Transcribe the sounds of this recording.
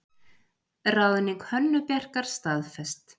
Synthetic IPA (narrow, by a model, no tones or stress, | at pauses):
raːwðɪniŋkhœnːʏpjɛr̥kaɾ̥st̪aːðfɛst̪